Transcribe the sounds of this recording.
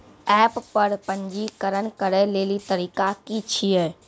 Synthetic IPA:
ɛːppɐɾpɐ̃ɲd͡ʒikəɾənkəɾəleːlit̪ɐɾiːkakit͡ʃʰieː

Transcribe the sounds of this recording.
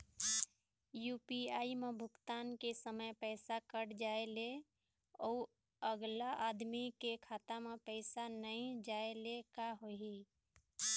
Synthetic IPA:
juːpiaːimebʱʊkt̪aːnkesəməjpɛɪsakəɽd͡ʒaele | ɔu | əɡlaʔad̪mikekʰaːt̪amepəɪsanəĩd͡ʒaelekaɦoɦi

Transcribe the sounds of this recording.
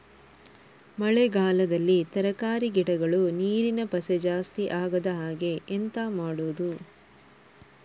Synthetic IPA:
mɐɭeɡaːlɐd̪ɐlːit̪ɐɾɐkaːɾiɡiʈɐɡɐɭuniːɾinɐpɐsed͡ʒaːst̪iʔaːɡɐd̪ɐɦaːɡe̞ːnt̪amaːɽuːd̪u

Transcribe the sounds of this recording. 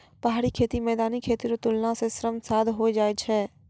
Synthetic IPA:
pəɦaːɾikʰeːt̪imɛːd̪aːnikʰeːt̪iɾot̪ʊlnãsesɾəmsaːd̪ʱɦoid͡ʒaːet͡ʃʰɛː

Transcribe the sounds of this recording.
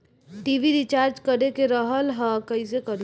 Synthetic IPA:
ʈiːʋiɾit͡ʃaːɾd͡ʒkəɽekeɾəɦəlɦəkəisekəɾl

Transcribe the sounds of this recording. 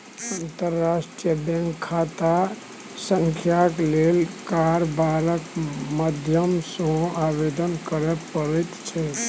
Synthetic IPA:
ənt̪əɾːasʈijəbɛ̃ŋkʰːat̪a | sə̃ŋkʰjaklelkaɾbaɾəkməd̪ʱjəmsə̃abed̪ənkəɾɛpəɾɛt̪t͡ʃʰɛ

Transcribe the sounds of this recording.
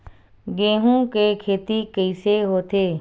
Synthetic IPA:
ɡẽːɦũkekʰeːt̪ikəɪseɦoːt̪eː

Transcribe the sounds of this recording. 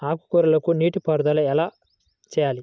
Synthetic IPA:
aːku̥kuɾɐlɐkuniːʈipɐɾd̪ɐlɐɛlaː | t͡ʃɛːjaːli

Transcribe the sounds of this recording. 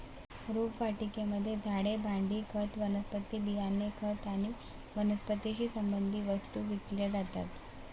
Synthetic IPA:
ɾupʋaʈikeməd̪ʱːjed͡zʱaɽebʱãɳɖiːkʰət̪ʋənəspət̪iːbijanːekʰət̪aɽ̃i | ʋənəspət̪iɕiːsəmbənd̪ʱiːʋəst̪uːʋikljəd͡zat̪a̰t̪

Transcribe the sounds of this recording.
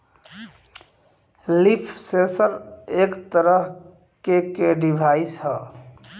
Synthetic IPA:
lipʰsesəɾekt̪əɾəɦ | kekeɖibʱaisɦə

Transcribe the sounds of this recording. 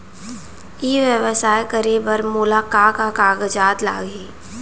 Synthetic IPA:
iːʋjəʋəsaːjkəɾebəɾmuːlaːkaːkakaːɡəd͡ʒaːt̪la̰ːɡeː

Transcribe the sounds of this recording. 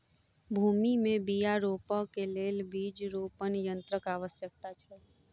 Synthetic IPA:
bʱuːmimẽbijaɾoːpəkeleːlbʱiːd͡ʒɾoːpənjə̃nt̪ɾəkaːʋəsjək̚t̪at͡ʃʰɛ

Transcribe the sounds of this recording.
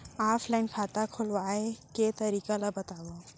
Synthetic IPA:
aːpʰlaɪnkʰaːt̪akʰʊlwaeket̪əɾiːkalabət̪aːbo

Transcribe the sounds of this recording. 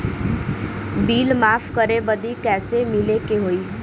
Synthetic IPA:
biːlmaːpʰkəɾebəd̪ikɛːsemɪlekeɦoːiː

